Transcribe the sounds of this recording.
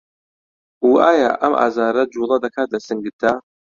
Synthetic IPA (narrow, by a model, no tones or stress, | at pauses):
uːʔaːja̰ːʔɐmʔa̰ːzaːɾɐd͡ʒulˠɐd̪ɐkʰaːt̪̚d̪ɐsɨŋɡɨt̪ʰːa